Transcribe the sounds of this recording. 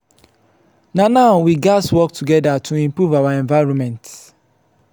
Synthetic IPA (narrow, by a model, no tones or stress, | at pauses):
nanaʊwiɡaswɔk̚tʰuɡɛdatʰuĩmpɹuvawaɛ̃nvaɪɹɔ̃nmɛ̃nt